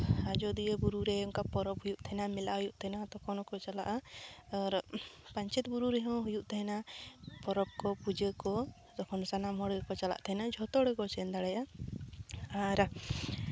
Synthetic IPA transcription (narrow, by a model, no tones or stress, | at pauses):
ad͡ʒɔd̪iəbuɾuɾɛɔŋkapɔɾɔpɦujuʔt̪ʰɛnamɛlaɦujuʔt̪ʰɛnat̪ɔkʰɔnɔkɔt͡ʃala̰ʔaɔɾpaɲt͡ʃɛt̪buɾuɾɛɦɔ̃ɦujuʔt̪ʰɛɦɛnapɔɾɔb̚kɔpud͡ʒəkɔ | d̪ɔkʰɔnsanamɦɔɽəkɔt͡ʃala̰ʔt̪ʰɛɦɛnad͡ʒʱɔt̪ɔɽɛkɔt͡ʃɛnd̪aɽɛja | aɾ